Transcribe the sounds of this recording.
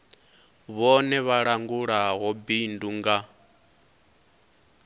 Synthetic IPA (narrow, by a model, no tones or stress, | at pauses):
βɔnɛβaɺaŋɡuɺaɦɔbinduŋɡa